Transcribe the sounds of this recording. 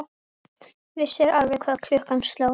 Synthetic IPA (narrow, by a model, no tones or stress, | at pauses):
vɪsɛɾaɾvɛkʰvaːðkʰl̥ʏhkanst̪low